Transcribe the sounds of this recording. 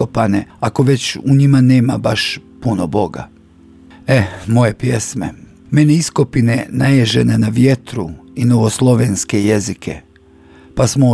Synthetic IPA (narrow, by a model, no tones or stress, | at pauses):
opane̞ako̞ʋe̞t͡ɕuɲimane̞ːmabaʃpunobo̞ɡa̰ | emo̞je̞pje̞sme̞̰ | me̞neisko̞pine̞najeʒe̞nenaʋje̞t̪ɾuinoʋoslˠo̞ʋe̞nskeje̞zikʰe̞̰ | pasmo